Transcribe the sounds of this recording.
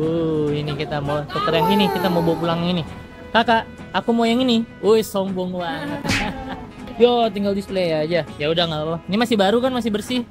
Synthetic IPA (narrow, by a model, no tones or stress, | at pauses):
oinikit̪amot̪ət̪əɾɛŋinikit̪amobopulaŋaŋini | kakaʔ | akumojaŋiniojsɔmbɔŋwant̪ | ɡat̪iŋɡaldist̪ulajaːd͡ʒajaudahŋalanimasɪhbaɾukanmas̬ɪhbərsih